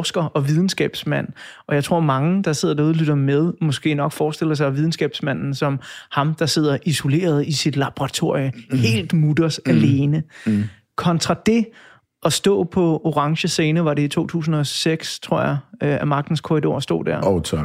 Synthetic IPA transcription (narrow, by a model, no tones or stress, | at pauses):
sɡ̥ɐʔɒ̽ʋið̞ˠn̩sɡ̥ɛ̰ːb̥smæn̰ʔɒ̽jɑ̈ɪt͡sʰʁo̝̰ɐ̰mɑ̈ŋəd̥ɑ̈se̝ð̞̰ˠɐd̥ɑuðˠlyd̥ɐmeð̞ˠmɒ̽sɡ̥e̝̰ːnɒ̽ɡ̥fɒːsd̥e̝l̰ɐs̬ɑɪʋið̞ˠn̩sɡ̥ɛ̰ːb̥smæn̰n̩sɒ̽mhɑ̈md̥ɑ̈se̝ð̞̰ˠɐʔiso̝le̝̰ːɐð̞ˠisid̥lɑ̈b̥ʁɑ̈t͡sʰo̝ɐ̰johe̝̰ːld̥mud̥ɐsæle̝ːnə | kʰɒ̽nt͡sʰʁɑ̈d̥e̝ | ɒ̽sd̥ɔ̰̽ːpʰɒ̽oʁɑ̈ŋɕəse̝ːnəʋɑ̈ɾe̝it͡sʰo̝̰ːt͡sʰṵːs̬n̩ɒ̽seɡ̥st͡sʰʁo̝ɐ̰jɑ̈øæmɑ̈ɡ̥̚d̥n̩skʰoʁido̝̰ɐ̰sd̥ɔ̰ːd̥æɐt͡sʰ